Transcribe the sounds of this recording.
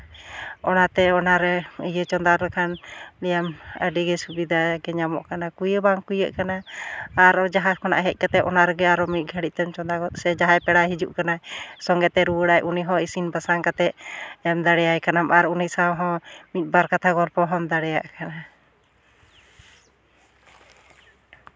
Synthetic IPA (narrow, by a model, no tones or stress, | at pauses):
ɔnat̪ɛɔnaɾɛəjət͡ʃɔnd̪aɾɾɛkʰanlijamə̰ɖiɡɛsubid̪aɡɛɲamɔ̰ʔkanakujəbaŋkujəʔkanaː | ɾɔd͡ʒaɦakɔna̰ʔɦɛc̪̚ˀkat̪ɛʔɔnaɾɛɡɛaɾɔmit̪̚ɡʱəɽiʔ̚t̪ɛmt͡ʃɔnd̪aɡɔt̪̚sɛd͡ʒaɦajpɛɽaɦid͡ʒuʔkanasɔŋɡɛt̪ɛɾuwəɽajʔuniɦɔ̃isinbasaŋkat̪ɛʔ̚ɛmd̪aɽɛjajkanamaɾunisawɦɔ̃mit̪̚ˀbaɾkat̪ʰaɡɔlpɔɦɔmd̪aɽɛja̰ʔkana